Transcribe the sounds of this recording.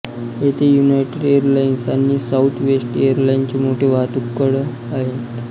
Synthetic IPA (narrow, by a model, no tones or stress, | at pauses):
ɦet̪ʰejunajʈeɖejəɾlajnsanːiːsaut̪ʰʋesʈejəɾlaint͡ɕemoʈʰeʋat̪ukːəɽə | aɦet̪